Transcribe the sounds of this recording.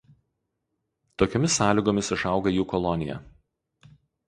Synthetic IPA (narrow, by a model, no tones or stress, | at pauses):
t̪oːkʲoɔmʲɪsːɑːlʲɪˑɡoːmʲɪsɪʃɑˑʊɡɐjuːkɔlˠɔnʲɪjɛ̰